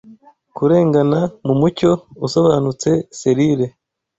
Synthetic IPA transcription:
kuɾe̞ːŋɡanamumuco̞uso̞βaːnut͡se̞se̞ɾiɾe̞

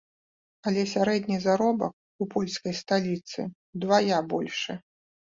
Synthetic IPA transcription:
ɐlʲɛsʲaɾɛd̪nʲizaɾɔbɐ̰k̚ | upɔlʲskɐjst̪alʲit̪sɨ̰ | d̪vajabɔlʲʂɨ

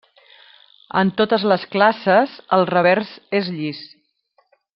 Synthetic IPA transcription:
ə̰nt̪ot̪əzləsklasəzəlˠrəβɛɾzezʎis

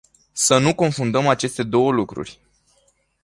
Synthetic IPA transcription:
sənuko̞nfund̪əmat͡ʃe̞st̪e̞d̪o̞wəlukɾṵrʲ

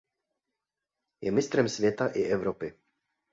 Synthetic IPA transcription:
jɛmɪst̪ɾɛmsvjɛt̪aʔɪʔɛvɾɔpɪ

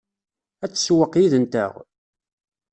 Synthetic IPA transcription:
æt͡sːswəqjiðənt̪ə̰ʁ

